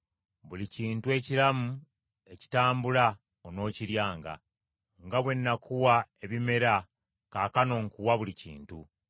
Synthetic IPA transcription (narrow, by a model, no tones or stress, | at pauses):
βuliciːntue̞ciɾamu | e̞ci̥taːmbula | ono̞ːciɾjaːŋɡa̰ | ŋɡaβwe̞nːakuwae̞βime̞ɾa | kaːkano̞ŋkuwaβulicḭːntu